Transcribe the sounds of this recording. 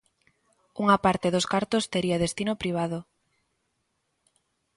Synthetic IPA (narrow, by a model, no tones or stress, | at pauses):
uŋapaɾt̪eðoskaɾt̪ost̪eɾiaðest̪inopɾiβ̞að̞o